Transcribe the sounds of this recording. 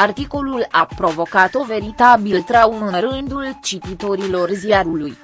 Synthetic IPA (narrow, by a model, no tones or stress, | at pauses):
art̪iko̞lulapɾo̞vo̞kat̪o̞ve̞ɾit̪abilt̪ɾaunɨnɾɨnd̪ult͡ʃit̪it̪o̞ɾilo̞rziaɾuluj